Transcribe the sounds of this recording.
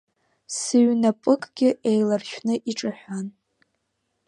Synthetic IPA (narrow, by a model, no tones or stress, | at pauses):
sɨɥnapʼɨkʼɡʲɪʔejlarʃᶣnɨʔiʈ͡ʂʼaħᶣʷan